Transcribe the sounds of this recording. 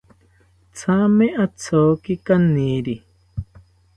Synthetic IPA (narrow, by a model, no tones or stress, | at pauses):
t͡sʰamẽʔat͡sʰoːkikanĩːɾi